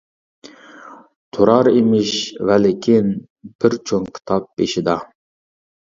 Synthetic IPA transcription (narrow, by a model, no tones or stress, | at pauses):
t̪ʰoɾɑɾemɪʃvælɪkʲʰin | b̥ɪɾt͡ʃʰoŋkʲʰi̥t̪ʰɑp̚beʃid̪ɑ